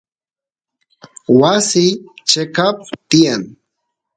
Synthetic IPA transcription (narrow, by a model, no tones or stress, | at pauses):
wasit͡ʃekap̚t̪ɪjaŋ